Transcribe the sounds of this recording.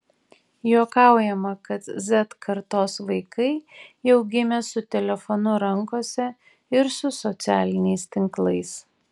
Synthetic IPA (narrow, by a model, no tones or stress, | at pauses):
joːkɑˑʊjɛmɐkɐt̪zʲɛt̪kʰɐɾt̪oːsʋɐɪkɐɪɛʊɡʲɪmʲɛsʊt̪ʲɛlʲɛfɔnʊɾɐŋkoːsʲɛ | ɪɾsʊsɔt̪sʲæːlʲɪnʲɛɪst̪ʲɪŋklˠɐɪs